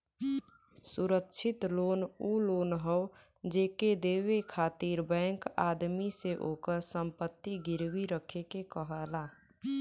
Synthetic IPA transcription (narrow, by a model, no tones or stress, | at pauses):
suɾəkːt͡ʃʰɪt̪loːnuloːnɦəʊ | d͡ʒeːked̪eːwekʰaːt̪iɾbɛ̃ŋka̰ːd̪miseʔoːkəɾsəmpət̪ːiɡɪɾwiɾəkʰekekəɦəla